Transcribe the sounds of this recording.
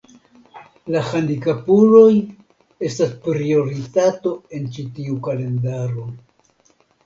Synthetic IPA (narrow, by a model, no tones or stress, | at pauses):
lahandikapuɾo̞j | e̞staspɾio̞ɾitato̞e̞nt͡ʃitiukale̞ndaɾo̞